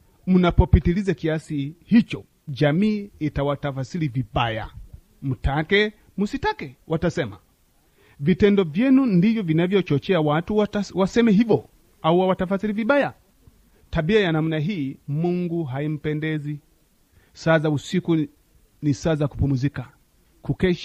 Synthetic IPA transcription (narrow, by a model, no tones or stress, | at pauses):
munapɔpitilizakiasihit͡ʃɔ | d͡ʒamiːitawatafasilivibaja̰ | m̩takɛ | musitakɛwatasɛma̰ | vitɛndɔvjɛnundivjɔvinavjɔt͡ʃɔt͡ʃɛawatuwasɛmɛɦivɔ | auwawatafasiliviɓaja | taɓiajanam̩naɦiːmuŋɡuɦaim̩pɛndɛzi | saːzausiku | nisaːzakupumuzika | kukɛʃ